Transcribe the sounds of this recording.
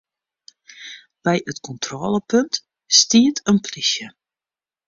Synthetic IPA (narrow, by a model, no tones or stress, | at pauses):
b̥ɛjətkʰɔntʰrɔːləpɵnt | stiətʰənplisjə